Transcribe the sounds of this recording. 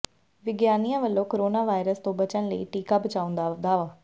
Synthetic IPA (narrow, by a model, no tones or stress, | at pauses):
ʋɪɡjaːnijãːʋəlːõːkoɾoːnaːʋaːɪɾəst̪õːbət͡ʃənləiːʈiːkaːbət͡ʃaːʊ̃nd̪aːd̪aːʋaː